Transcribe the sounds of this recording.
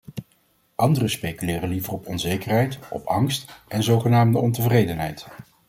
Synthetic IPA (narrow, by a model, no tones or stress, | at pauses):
ʔɑndərəspejkylɪːrənlivərɔpɔnzejkərɦɛjtɔ̰pɑŋstʔɛnzowχənaːmdəɔntəvrejdənɦɛjt